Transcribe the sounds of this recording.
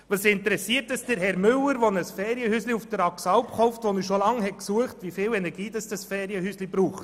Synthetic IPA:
ʋɑsɪntəɾɛsiːəɾtəsd̥əɾɦɛɾmʏlːəɾʋonəsfɛːɾjəhysliufd̥əɾɑksɑwpχɔʊftʋɔnyːʃolɑŋhɛtksuəχtvʋifɪːwɛnɛɾɡ̥iːdɑsd̥ɑsfɛːɾjəhyslibɾuːχt

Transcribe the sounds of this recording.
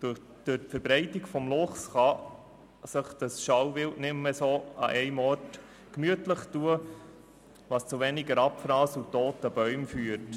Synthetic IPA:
d̥ʊ | d̥øtfəɾbɾɛɪtiɡfɔmlʊχsχɑ | səχd̥ɑsʃɑwvɪltnɪmːəsoːɑ̰ʔɛɪmɔɾt | kmyətləχtuə | ʋɑst͡suʋɛniɡəɾɑpfɾɑːsutːoːtəb̥œʏmfyːət

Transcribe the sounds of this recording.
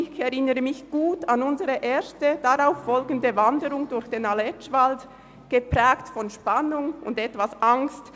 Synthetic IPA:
ɪçɛʁɪnəʁəmɪçɡ̥uːtʰanʊnzəʁəʔeːɾstəd̥aʁaʊffɔlɡən̩dəvandəʁʊŋdʊɾçd̥eːnalɛt͡ʃv̥ald | ɡ̥əpʁɛːktfɔnʃpanʊŋʊ̰ndɛtv̥asʔaŋst

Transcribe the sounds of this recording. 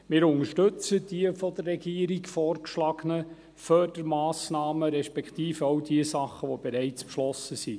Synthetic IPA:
mɪːɾʊŋəʃtɵt͡səd̥iəfɔd̪ərːɛɡiːɾiɡfɔːɾkʃlɑɡənə | fød̥əɾmɑːsnɑːməɾɛʃpɛkt̪iːfəɔʊdiəsɑχəʋɔb̥eɾɛɪt͡spʃlɔsəsi

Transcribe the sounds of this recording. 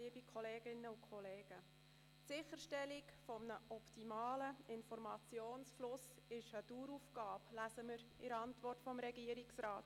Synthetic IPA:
iːbikʰχɔleːɡɪnːəʊkʰɔleːɡ̥ə | tsɪχəɾʃtɛlikfɔmnəʔɔptimɑːləɪnfɔɾmɑt͡sjoːnsflʊs | ɪʃəduːɾufɡ̥ɑːplæsəməɾɪɾɑntvɔrtfɔmɾɛɡiəɾiksɾaːt

